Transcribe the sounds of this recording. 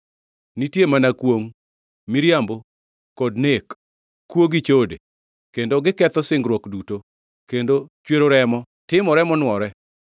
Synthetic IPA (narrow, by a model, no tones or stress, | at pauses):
nitjemanakwoŋ | miɾjambo | kɔdnek | kːwoɡit͡ʃode | kendoɡɪkɛt̪ɔsɪŋɡɾwɔkduto | kendot͡ʃweɾoɾɛmɔ | tɪmɔɾɛmɔnwɔɾɛ